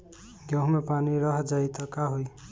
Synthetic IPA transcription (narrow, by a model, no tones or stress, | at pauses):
ɡjʌɦmepaniɾʌɦd͡ʒajt̪ʌkaɦuj